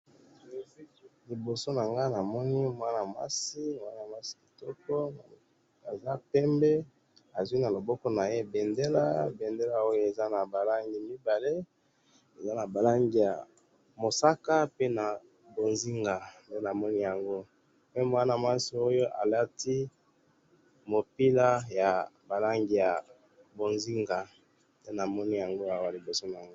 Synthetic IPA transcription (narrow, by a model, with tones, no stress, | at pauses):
li˨bo˨so˦na˨ŋɡa˦na˨mɔ˦ni˦m˨˦a˦na˨ma̰˦si˦mo˨a˦na˨mwa˦si̥˦i˨tɔ˦kɔ˦n˨ | a˨za˦pɛ˦mbe˦ | a˨zwi˦na˨lo˨bɔ˦kɔ˦na˨je˦be˨nde˦la˦be˨nde˦la˦o˦jo˦e˨za˦na˨ba˨la˦ŋɡi˨mi˦ba˨le˦ | e˨za˦na˨ba˨la˦ŋɡi˨ja̰˨ | mo˨sa˦ka˦pe˦na˨ | bo˨nzi˦ŋɡa˨nde˦na˨mɔ˦ni˦ja˨ŋɡo˦ | pe˦m˦a˦na˨ma˦si˨˦o˦jo˦ʔa̰˨la˦ti˦ | mo˨pi˦la˦ja˨ba˨la˦ŋɡi˨ja˨ | bo˨nzi˦ŋɡa˨ | de˦na˨mɔ˦ni˦ja˨ŋɡo˦a˨wa˦˨li˨bo˨so˦n˨a˨ŋɡ